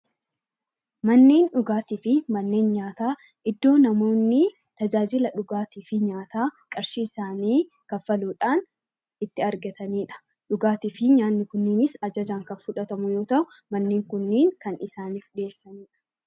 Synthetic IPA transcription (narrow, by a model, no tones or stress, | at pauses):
mɐnːeːnᶑʊɡaːt̪iːfɪmɐnːe̞ːnɲaːt̪aː | ʔɪd̪ːo̞ːnɐmo̞ːnːɪ | t̪ɐd͡ʒaːd͡ʒɪlɐᶑʊɡaːt̪iːfɪɲaːt̪aːkʼɐɾʃiːɪsaːniː | kɐfɐluːᶑaːn | ɪt̪ːɪɐɾɡɐt̪ɐniːᶑɐ̥ | ᶑʊɡaːt̪iːfɪɲaːnːɪkʊnːɪnɪsɐd͡ʒɐd͡ʒaːŋkɐnfʊᶑɐt̪ɐmʊjo̞ːt̪ɐʔʊ | mɐnːeːŋkʊnːiːŋkɐnɪsaːniːfᶑe̞ːsːɐniːᶑɐ̥